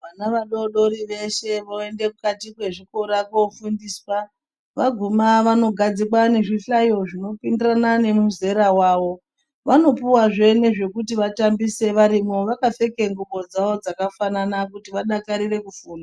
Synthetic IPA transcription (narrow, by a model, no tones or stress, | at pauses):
ʋanaʋaɗo̞ɗo̞ɾiʋe̞ʃe̞ʋoe̞nde̞kukatikwe̞ʐiko̞ɾakofundiːswa | ʋaɡʱumaʋano̞ɡʱad͡zik̬wane̞ʐiɬajo̞ʐino̞pindiranane̞muze̞ɾawaːʋo̞ | ʋano̞puwaʐe̞ne̞ʐe̞kutiʋatambise̞ʋaɾimo̞ʋakafe̞ke̞ŋɡuɓo̞d͡zaʋo̞d͡zakafananakutiʋaɗakaɾire̞kufuːna